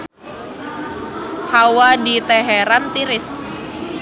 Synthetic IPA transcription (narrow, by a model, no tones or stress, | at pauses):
hawadit̪ɛɦɛɾant̪iɾɪs